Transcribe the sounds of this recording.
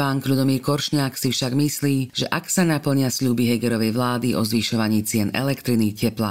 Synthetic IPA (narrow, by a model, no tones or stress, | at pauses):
aːŋkʎud̪ɔmiːɾkɔɾʃɲaːksifʃaɡmisliːʒ̥ɛʔaksanapl̩ɲɪasʎuːbiɦɛɡɛɾɔʋɛjʋlaːd̪iʔɔ̰zʋiʃɔʋaɲiːt͡sɪɛnɛ̰lɛkt̪ɾinixcɛpla̰